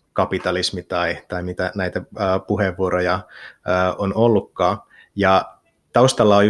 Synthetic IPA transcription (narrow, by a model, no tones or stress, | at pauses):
kɑpit̪ɑlismit̪ɑit̪ɑimit̪ænæit̪æəːpuɦeʋːuoɾojɑəːonolːukːɑː | jɑ | t̪ɑust̪ɑlːɑoj